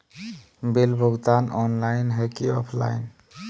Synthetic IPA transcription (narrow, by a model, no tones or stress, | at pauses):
belbʱʊɡt̪anʔɔnlaɪnɦekiɔpʰla̰ɪn